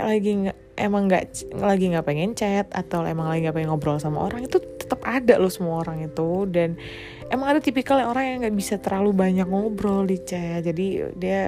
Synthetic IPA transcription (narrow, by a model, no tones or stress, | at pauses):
ʔlaɡi | ʔḛmaŋɡa̰ʔlaɡiŋɡaʔpeŋɛɲt͡ʃɛt̪a̰t̪awlemaŋlaɡiŋɡaʔpeŋɛŋɔbɾɔlsamao̰ɾaŋit̪ut̪ə̥t̪əpadalʊsəmuaoɾaŋit̪udan | emaŋadat̪ipikaljaŋoɾaŋjaŋɡaʔbisat̪əɾalubaɲak̚ŋɔbɾɔldit͡ʃɛt̪̚d͡ʒadidia